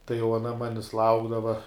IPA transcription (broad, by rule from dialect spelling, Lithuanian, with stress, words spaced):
tɐɪ jɛʊ ɐˈnɐ ˈmɑːnʲɪs ˈlˠɐʊɡdɐʋɐ